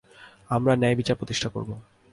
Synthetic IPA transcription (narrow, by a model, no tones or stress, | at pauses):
amɾanɛebit͡ɕaɾpɾot̪iʃʈʰako̰ɾbo